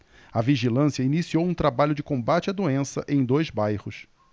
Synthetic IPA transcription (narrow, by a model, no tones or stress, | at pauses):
ɐviʒilɐ̃siɐinisiowũt̪ɾabaʎʊd͡ʒɪkõmbat͡ʃɪɐd̪uẽsɐ̰ʔẽj̃d̪ojzbajhʊs